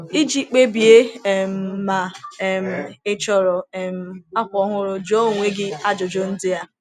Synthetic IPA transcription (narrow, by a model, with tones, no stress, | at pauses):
i˦d͡ʒi˦k͡pe˦bi˨e˦˨m̩˨ma˨m̩˨ɪ˦t͡ʃɔ˨ɾɔ˨m̩˨˦˨a˦kʷɔ˦ɦʊ˦ɾʊ˦d͡ʒo˦˨ŋʷe˦ɡɪ˦a˦d͡ʒo˨d͡ʒo˦n̩˦dɪ˦ja˦